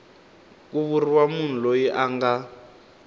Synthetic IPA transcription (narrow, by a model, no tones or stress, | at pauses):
k̬uβuriwamun̤ulojiʔaŋɡa